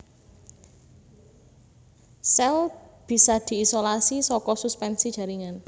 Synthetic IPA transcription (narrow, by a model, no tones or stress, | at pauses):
sɛlb̥i̤sad̪̥i̤isolasisɔkɔsuspɛnsi̥ʒ̥a̤ɾiŋan